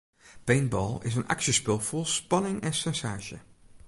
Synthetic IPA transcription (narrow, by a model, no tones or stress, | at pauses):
pejnbɔ̰ːlˠɪ̰s̬ənɑ̰ksəspɪlˠvolˠspɑnɪŋɛnsɛnsaːʒə̰